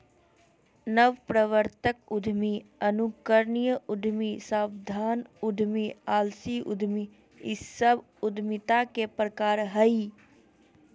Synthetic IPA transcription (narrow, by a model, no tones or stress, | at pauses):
nəʋpɾəʋəɾt̪əkʊd̪ʱmiɐnukəɾnijəʊd̪ʱmisaːbd̪ʱaːnʊd̪ʱmiaːlsiʔʊ̰d̪ʱmi | ɪ̰sːəb | ʊd̪ʱmɪt̪akepɾəkaːɾɦəi